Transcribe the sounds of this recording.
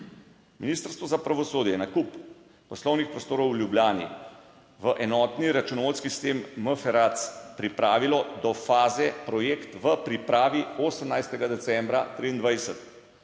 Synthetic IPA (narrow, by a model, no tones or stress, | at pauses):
miniːst̪əɾst̪ʋɔzapɾaʋɔsoːd̪jɛnakup | pɔslɔwnixpɾɔst̪oːɾɔwljubljaːnḭ | ʋəʔɛnɔt̪niɾat͡ʃunɔʋolskisi̥st̪emːəfɛɾat̪spɾipɾaːʋilɔd̪ɔfaːzɛpɾɔjekt̪ʋəpɾipɾaːʋioːsəmnajst̪ɛɡad̪ɛt̪sɛmbɾa̰t̪ɾiːnd̪ʋajsət̪